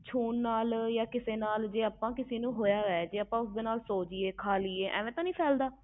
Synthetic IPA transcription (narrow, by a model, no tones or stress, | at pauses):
t͡ʃʰuːnːaːljaːkɪseːnaːld͡ʒeːaːpãːkɪseːnũːɦoːjaːʋɛːd͡ʒeːaːpãːʊsd̪eːnaːlsoːd͡ʒieːkʰaːliːeːʔɛ̰̃ːʋẽːt̪ãːnĩːpʰɛːld̪aː